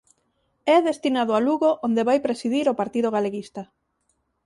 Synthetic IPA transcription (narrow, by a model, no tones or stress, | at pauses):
ɛðest̪inaðʊaluɣoʔond̪eβajpɾesiðiɾopaɾt̪iðoɣaleɣist̪a